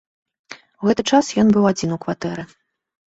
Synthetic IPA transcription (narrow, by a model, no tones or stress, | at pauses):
uɣɛt̪ɨt͡ʂasjɔnbɨwad͡zʲinukvat̪ɛɾɨ